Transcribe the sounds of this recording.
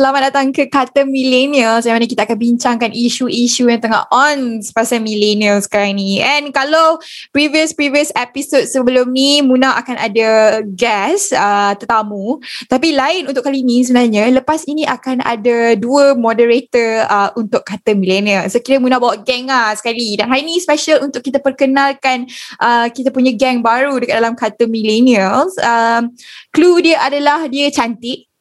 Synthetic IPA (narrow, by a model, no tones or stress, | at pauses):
səlamat̪̚dat̪aŋkəkat̪əmĩleniəlsamanak̬it̪aakanbiɲt͡ʃaŋkanʔiʃuʔiʃujãŋt̪əŋa̰hʔɔnspasamileniəlsə̥kaɾaŋniɛnkalawpɾiviəspɾiviəsepisot̚səbəlʊmnimunaa̰kanʔa̰daɡɛsət̪ərt̪amut̪apilaɪnunt̪ʊʔkalinisəbənarɲãləpasiniʔakana̰daduəmɔdəɾet̪əəunt̪ʊʔkːat̪əmileniəlsokiɾəmunabawaʔɡɛŋasə̥kalidanɦaɾinispɛʃəlunt̪ʊʔkːit̪apərkənalkanʔəkit̪apuɲaɡɛŋbaɾudəkat̚dalamkat̪əmileniəlsəmkludiəʔadalahdiət͡ʃant̪ɪʔ̚